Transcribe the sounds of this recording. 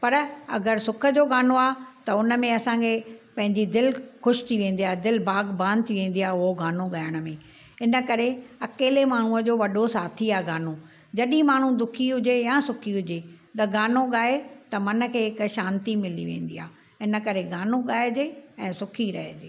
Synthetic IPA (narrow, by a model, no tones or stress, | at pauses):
pɐɾɐ̰ɡəɾsʊkʰə̆d͡ʑoːɡaːnoaːt̪ɐʊnə̆mẽɐsãkʰeːpɐ̃ɦɪ̃ɲd͡ʑid̪ɪlxʊʃɪ̥t̪ʰiʋẽːnd̪iaːd̪ɪlbaːɡbãːnd̪t̪ʰiʋẽːn̆d̪iaːʊɦoɡaːnoɠaːɪəɽ̃ʊmẽ | ɪnə̆kɐɾeɐkeːlemaːɳ̤ũəd͡ʑoːʋɐɗosaːt̪ʰiaːɡaːnõ | d͡ʑɐɗĩmaːɳ̤ũd̪ʊkʰiɦʊd͡ʑejãːsʊkʰiɦʊd͡ʑeːt̪ɐɡaːnoɠaːet̪ɐmɐnəkʰeːɪkʃaːnt̪imɪlḭʋḛ̃ːnd̪iːa̰ː | ɪnə̆kɐɾeɡaːnoɠaːjed͡ʑeːɛ̃ːsʊkʰiɾɐɦed͡ʑeː